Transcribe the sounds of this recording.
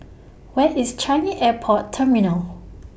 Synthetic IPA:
wɛʔist͡ʃãɪniʔɛpʰɔtʰːɛminəl

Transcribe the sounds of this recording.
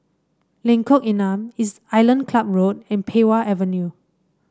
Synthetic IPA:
lɛ̃ŋkɔkĩnãmis | ajlə̃nkʰlap̚ɹod̚ɛ̃npʰewaʔɛvə̃nju

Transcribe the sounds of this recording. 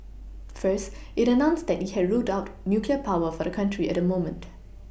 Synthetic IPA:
fɜst | ʔɪtənãʊ̃nsd̪ɛt̚hihɛdɹutaʊtnjukliəpʰaʊəfɔdəkʰãntʰɹiɛ̰t̚dəmõʊmə̃nt

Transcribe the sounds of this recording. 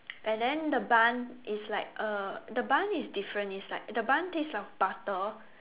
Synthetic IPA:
ɛ̃ndɛ̃ndəbãnislaɪk̚ʔədəbãnisdifɹə̃nislaɪk̚dəbãnteslaɪk̚b̥atə

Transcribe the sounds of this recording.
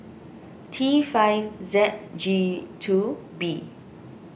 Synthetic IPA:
tʰifajfzɛt̚d͡ʒitʰu | bi

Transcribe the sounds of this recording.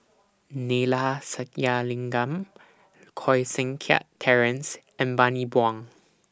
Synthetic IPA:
nelasatjalɪ̃ŋɡam | kʰɔjsɪ̃ŋkʰɛa̰ʔtʰːɛɹɛ̃ns | ɛ̃nbanibwãŋ

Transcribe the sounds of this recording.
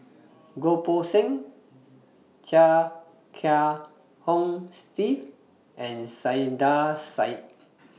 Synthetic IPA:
ɡoposɛ̃ŋ | t͡ʃa | kʰa | hõmstif | ʔɛ̃nsajdasaɪt̚

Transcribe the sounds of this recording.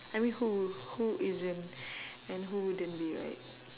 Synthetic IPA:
ajmĩnhuhuʔɪzɪ̃nɛ̃nɦuwudə̃nbiɹa̰ɪt̚

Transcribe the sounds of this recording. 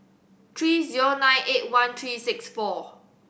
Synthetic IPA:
t̪ʰɹiːziɹonãjnʔet̚wãnt̪ʰɹiːsɪksfɔ

